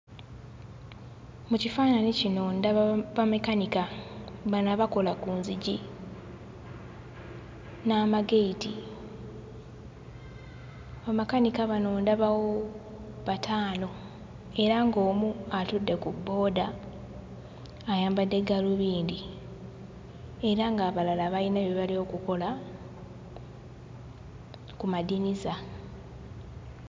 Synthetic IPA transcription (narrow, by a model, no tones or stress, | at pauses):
mucifaːnanicinoːndaβamekanikaβanaβako̞lakuːnziɟi | naːmaɡeiti | βamakanikaβano̞ːndaβawo | βatʰaːno̞ | e̞ɾaŋɡo̞ːmuatudːe̞kubːo̞ːda | jaːmbadːe̞ɡaluβiːndi | e̞ɾaŋɡaːβalalaβainaβeβalio̞ːkuko̞la | kumadiniza